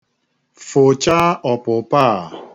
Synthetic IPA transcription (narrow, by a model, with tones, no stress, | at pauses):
fo˨t͡ʃa˦ʔɔ˨pʊ˨pa˦˨